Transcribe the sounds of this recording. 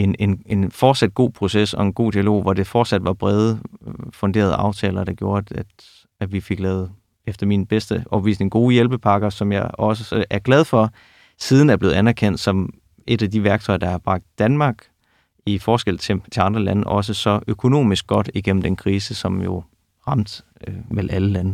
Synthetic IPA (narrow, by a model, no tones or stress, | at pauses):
e̝nene̝nfɒːd̥sæd̥̚ɡ̥o̝̰ːpʰʁo̝sesɒ̽e̝nɡ̥o̝̰ːd̥iælo̝̰ːʋɒde̝fɒːd̥sæd̥ʋɑ̈b̥ʁɛð̞ˠfɔ̽nd̥e̝ːɐð̞ˠɑ̈ʊt͡sʰɛ̰ːlɐɾ̥ɑ̈ɡ̥jo̝ːɐæ̥ | æʋife̝ɡ̥lɛːʊð̩ˠ | efd̥ɐminb̥esd̥əʔɒb̥ʋḭːsne̝ŋɡ̥o̝ːjelb̥əpʰɑ̈ɡ̥ɐsɒ̽mjɑɪɒ̽səəʔæɐɡ̥lɛð̞ˠfɒ̽ | siːð̞ˠn̩æɐble̝ːð̩ˠænæɐkʰen̰d̥sɒ̽m | e̝ɾ̥æd̥iʋæɐɡ̥̚t͡sʰɒ̽ɪɐd̥ɑ̈hɑ̈b̥ʁɑ̈ɡ̥̚d̥ːænmɑ̈ːɡ̥ | ifɒːsɡ̥el̰t͡sʰet͡sʰe̝ɑ̈nd̥ʁɐlænəʔɒ̽s̬əsɒ̽ʔøkʰo̝no̝̰ːmisɡ̥ɒ̽d̥iɡ̥em̰mn̩d̥enkʰʁiːsəsɒ̽mjo̝ | ʁɑ̈m̰d̥ | melæləlænə